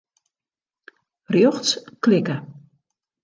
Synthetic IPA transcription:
rjoxsklɪkə

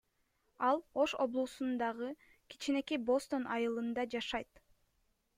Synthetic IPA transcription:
ɑlˠo̞ʃo̞blˠuːsund̪ɑʁɯ | ki̥t͡ʃine̞kebo̞st̪o̞nʔɑjɯlˠɯnd̪ɑd͡ʒɑʃɑjt̪

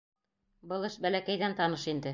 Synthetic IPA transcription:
bɤlˠɘʃbælækæjðænt̪ɑnɤʃind̪ɘ

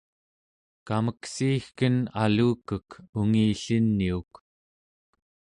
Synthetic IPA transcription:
kaməksiːxkənaluːkəkuŋiːɬinːiuk

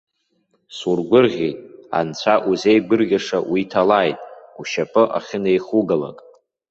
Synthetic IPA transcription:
surɡʷʊrʁʲitʼa̰nt͡ɕʷʰaʔuzejɡʷɨrɡʲaʂawitʰalaːjtʼuʃapʰʼɨʔa̰χʲɪnejχuɡala̰kʼ

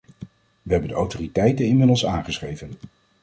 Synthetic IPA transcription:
ʋəɦɛbəndəawtoritɛjtənɪnmɪdəl̩ˠsaːnχəsχejvən

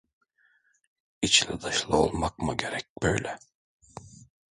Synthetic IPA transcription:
it͡ʃlʲɛd̪aʃlˠɯo̞̰lˠmakmɯɟe̞ɾɛc̚bøjlʲɛ

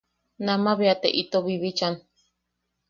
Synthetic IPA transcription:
nãmaβeat̪eʔit̪oβiβit͡ʃan

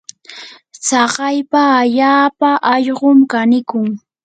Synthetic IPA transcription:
t͡sɑɢɑjpaːʎaːpaʔɑʎɢomkanɪkʊŋ

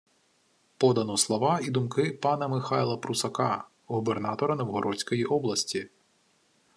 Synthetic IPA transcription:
pɔd̪ɐnɔslˠɔʋɑid̪ʊmkɪpɑnɐmɪxɑjlˠɐpɾusɐkɑ | ɣubernɑt̪ɔɾɐnɔwɦɔɾʔɔsʲkɔjiʔɔblˠɐsʲtʲi

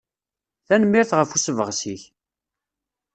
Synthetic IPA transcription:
θænəmːɪɾθʁəfusəvəʁsiç

